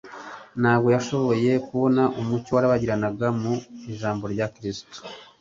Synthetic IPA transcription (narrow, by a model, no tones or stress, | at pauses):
naːbɡo̞jaʃo̞βo̞je̞kuβo̞naʔumucowaɾaβaɟiɾanaɡamuiʒaːmbo̞ɾɟakɾisto̥